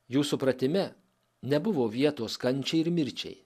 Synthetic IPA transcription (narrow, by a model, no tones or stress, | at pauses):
juːsʊpɾɐt̪ʲɪmʲɛ | nʲɛbʊʋoːʋʲiɛt̪oːskɐnʲˑt͡ʃʲɛɪɪɾmʲɪɾʲt͡ʃʲɛ̰ɪ